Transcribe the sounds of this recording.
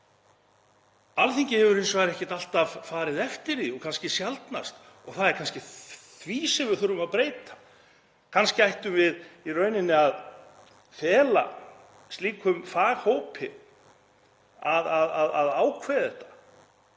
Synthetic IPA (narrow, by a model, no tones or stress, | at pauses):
alθiɲcɪhɛvʏɾejnsvaːɣɾɛhcɪ̥t̪al̥t̪avfaːɾɪðɛft̪ɪɾiɔɣkʰanscɪsjalt̪na̰st̪ | ɔɣθaðɛɾ̥kʰanscɪθviːsɪvʏɾθʏɾʏmaðpɾeːjt̪ḁ | kʰanscɪajht̪ʏmvɪðirœɥnɪnːɪað | fɛːla̰ | st̪liːkʰʏmfaːɣhoːwpʰɪ̰ | aðaðaðaðaːwkʰvɛjðɛht̪ḁ